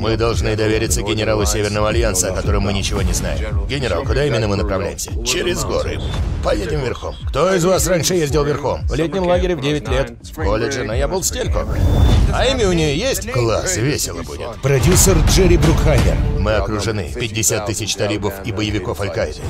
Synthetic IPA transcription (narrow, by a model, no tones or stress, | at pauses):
mɨd̪ɐlˠʐnɨd̪ɐvʲeɾʲɪt̪sːəɡʲɪnʲɪɾalˠʊsʲevʲɪrnəvəɐlʲjansəɐkɐt̪o̞ɾɨmːɨnʲɪt͡ɕɪvo̞nʲɪzna̰jɪ̰mɡʲɪnʲɪɾa̰lˠkʊd̪aimʲɪnːəmɨnəpɾɐvlʲæ̰jɪmsʲə̥t͡ɕɪɾʲɪzɡo̞̰ɾɨ̰pɐjedʲtʲɪmvʲɪrxo̞̰mkt̪o̞ɪzvasranʲʂɨjezʲdʲɪlˠvʲɪrxo̞mvlʲet̪ʲnʲɪmlˠaɡʲɪɾʲɪvdʲevʲɪtʲlʲet̪ | kolʲɪʐɨnojabɨlˠsʲtʲelʲkʊ̰ | ɐimʲɪʊnʲɪjojesʲtʲklˠa̰svʲesʲɪlˠəbṵdʲɪ̰t̪pɾɐdʲusərʐɛɾʲɪbɾʊkxanʲɪ̰rmɨɐkɾʊʐɨnɨ̰pʲɪdʲːɪsʲat̪ːɨsʲɪt͡ɕt̪ɐlʲibəfibəjɪvʲɪko̞fɐlʲkaɪd̪ɨ̰